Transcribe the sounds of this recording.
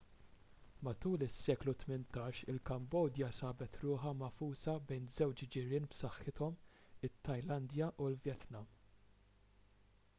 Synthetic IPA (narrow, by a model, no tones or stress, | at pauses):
mɐt̪uːlɪsːɛːklut̪mɪnt̪ɐːʃɪlkɐmbɔːd̪jɐsɐːbɛt̪ɾʊːħɐmɐfuːsɐbɛjnzɛwt͡ʃd͡ʒɪɾɪːnpsɐħːɪt̪ɔmɪt̪ːɐjlɐnd̪jɐʔulvjɛt̪nɐm